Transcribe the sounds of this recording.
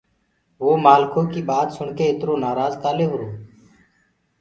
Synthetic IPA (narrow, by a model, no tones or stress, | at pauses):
ʋoːmaːlkʰõːkiːɓaːt̪sʊɳkeːɪt̪ɾoːnaːɾaːzt̪aːleːɦʊɾoː